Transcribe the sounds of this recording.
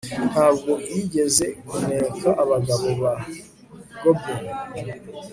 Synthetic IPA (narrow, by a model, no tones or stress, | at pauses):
habɡoiɟezekuneːkaʔaβaɡaβoβa | ɡ̥obe